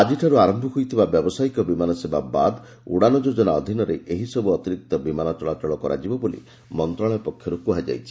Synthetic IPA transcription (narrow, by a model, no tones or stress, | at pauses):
ad͡ʒiʈʰaɾuaɾɔmbʱɔɦujt̪ʰibabjɔbɔsajkɔbimanɔsebaba̰d̪ | uɽanɔd͡ʒod͡ʒɔnaɔd̪ʱinɔɾeʔeɦisɔbuɔt̪iɾik̚t̪ɔbimanɔt͡ʃɔɭat͡ʃɔɭɔkɔɾa̰d͡ʒibɔbolḭ | mɔnt̪ɾɔɭ̃ɔepɔkʰjɔɾukuɦad͡ʒa̰jt͡ʃʰi̥